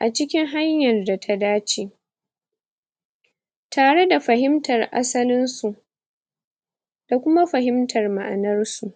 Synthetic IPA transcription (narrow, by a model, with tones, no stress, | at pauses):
ʔa˨t͡ʃɪ˦kʲɪ˦ŋɦa˦ɲjɐ˨rda˨tʰa˦daː˦t͡ʃeː˦ | tʰaː˨ɽe˦da˨ɸɐ˨ɦɪ˦mtɐ˨rʔa̰˦sɐ˦lɪ˦nsu˨ʔ | d̥a˨kʷʊ˦ma˦ɸɐ˨ɦɪ˦mtʰɐ˨rma̰˨ʔa˨nɐ˦rsu˨ʔ